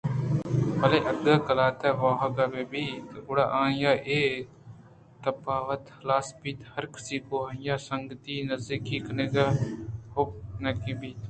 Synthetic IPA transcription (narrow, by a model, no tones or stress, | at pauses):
pɐleʔɐd̪ɐːkɐlaːt̪aʋaːɦɐɡabeːbiːt̪ʊɽaːʔãːjaːʔeː | t̪ɐpaːʋɐt̪ | laːspiːt̪hɐɾkɪ̥siːkoːɐ̃jaːsɐŋɡət̪inɐzikiːkɐneɡahop̚nɐkĩːbiːt̪